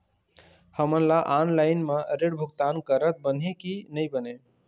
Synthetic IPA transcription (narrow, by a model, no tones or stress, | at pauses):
həmənlaʔanlaɪnmeɾeɽbʱukt̪ankəɾət̪̚bən̤ekinəjbəne